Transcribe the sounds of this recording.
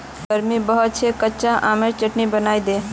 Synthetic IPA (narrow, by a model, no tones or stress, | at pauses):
ɡəɾmibəɦət͡ʃʰɛkətːʃaʔameɾt͡ʃəʈnibənajd̪e